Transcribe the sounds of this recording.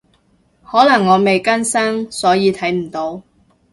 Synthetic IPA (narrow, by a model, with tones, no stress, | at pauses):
hɔː˨˥lɐ˨˩ŋːɔː˨˧me˨jkɐ˥nsɐ˥ŋsɔː˨˥jiː˨˧t̪ʰɐ˨˥jm̩˨˩t̪o˨˧w